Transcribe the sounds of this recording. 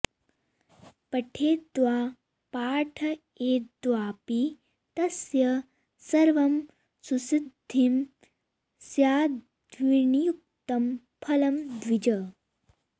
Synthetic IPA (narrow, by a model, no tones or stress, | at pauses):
pɐʈʰeːd̪waː | paːʈʰɐ | eːd̪waːpi | t̪ɐsjɐ | sɐɾʋɐm | susid̪ʱːim | sjaː | d̪ʋiɳijuk̚t̪ɐm | pʰɐlɐmd̪ʋid͡ʒɐ